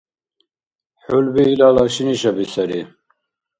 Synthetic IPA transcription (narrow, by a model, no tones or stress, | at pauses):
ħulbiːlalɑʃiniʃabisɛɾi